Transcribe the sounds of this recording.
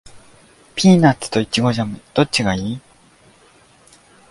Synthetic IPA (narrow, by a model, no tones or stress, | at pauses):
pʲʰiːnat͡sɨ̥t̪o̞it͡ɕiɡo̞ʑamɯ̟d̪̥o̞t͡ɕiɡaiː